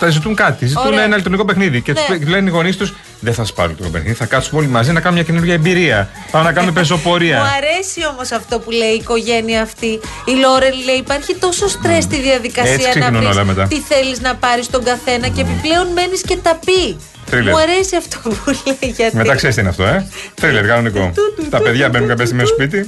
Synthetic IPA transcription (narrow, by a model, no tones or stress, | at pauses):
t̪ɐzit̪uŋkɐt̪izit̪unenɐlit̪uɾniko̞p̬e̞xniðicet̪u̥speuleniɣo̞nist̪us | ðeθɐsɐspɐ̰ɾlit̪uikopexniðiθɐkɐt̪sumolimɐzinɐkɐnomɲɐcenuɾʝɐembiɾiɐ | pɐmenɐkɐnume̞pe̞zo̞po̞ɾiɐɐɾesio̞mo̞sɐft̪o̞puleiːko̞ʝe̞niɐːft̪iːlo̞ɾenleiːpɐɾçit̪o̞so̞st̪ɾe̞st̪iðiɐðikɐeiɐsnɐnunolɐmet̪ɐt̪iθe̞liznɐpɐɾist̪o̞ŋɡɐθe̞nɐceːpiple̞o̞nme̞nisce̞t̪ɐpi | θɾilemuɐɾe̞siɐft̪opuleiʝɐt̪meɐkseɾist̪einɐft̪o̞eθɾileɾɣɐloniko̰t̪ɐpe̞ðʝɐbenunŋkɐpest̪imesospit̪̬i